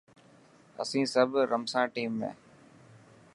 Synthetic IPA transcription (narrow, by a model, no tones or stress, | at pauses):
ə̰sĩːsəbɾəmsãːʈiːmːḛ̃ː